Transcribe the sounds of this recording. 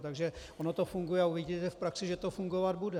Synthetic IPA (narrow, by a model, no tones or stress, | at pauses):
t̪aɡʒɛʔonot̪ofuŋɡujɛauvɪɟit̪ɛfpɾaksɪʒɛt̪ofuŋɡo̞vad̪̚budɛ